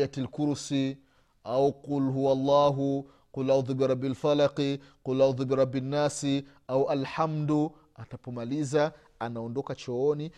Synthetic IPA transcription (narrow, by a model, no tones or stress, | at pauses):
atilkuɾsi | auqulɦuwalˤːɑːɦu | qulʔaðubiɾˤɑbːalfalaqiqulʔaðubiɾˤɑbːinːasi | auʔalħamdu | atapɔmaliza | anaɔndɔkat͡ʃɔɔni